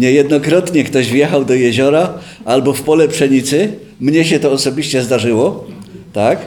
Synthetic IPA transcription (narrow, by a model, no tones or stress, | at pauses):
ɲɛjɛd̪nɔkɾɔt̪ɲɛkt̪ɔʑvjɛxawd̪ɔjɛʑɔɾa | albɔfpɔlɛpʂɛɲit̪sɘ | mɲɛɕɛt̪ɔːsɔbʲiɕt͡ɕɛzd̪aʐɘwɔt̪ak